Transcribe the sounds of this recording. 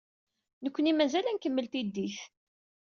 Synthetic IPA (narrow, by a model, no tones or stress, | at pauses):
nəkʷːənimæzælænkəmːəlt̪id̪ːiθ